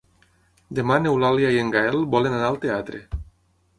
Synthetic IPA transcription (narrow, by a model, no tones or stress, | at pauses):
d̪emanewlaljajeŋɡaelbolenanalt̪eat̪ɾe